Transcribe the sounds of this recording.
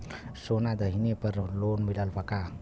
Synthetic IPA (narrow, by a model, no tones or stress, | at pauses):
sonad̪aɦinepəɾohlonbilalpaka